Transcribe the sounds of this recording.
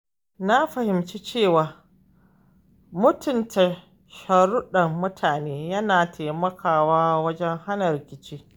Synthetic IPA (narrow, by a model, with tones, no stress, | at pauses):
na˦ɸɐ˨hɪ˨mt͡ʃi˦t͡ʃeː˦˨waː˨ | mʊ˦tʊ˨ntʰa˨ | ʃɐ˨ɽʊ˦ɗɐ˨mːʊ˦tʰaː˨neː˦jɐ˦naː˨tʰa˨mɐ˦kʰaː˨waː˦wɐ˦d͡ʒɛ˦ŋha˦nɐ˨ɾɪ˨kʲɪ˨t͡ʃiː˦